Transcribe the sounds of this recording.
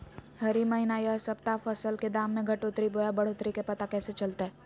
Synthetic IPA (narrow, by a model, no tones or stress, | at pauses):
hɐɾimɐɦɪnajəsɐpt̪afɐsəlked̪aːmːẽɡʱɐʈot̪ɾiboːjabɐɽ̤ʊt̪ɾikepɐt̪akɛːset͡ʃɐlt̪eɦɛ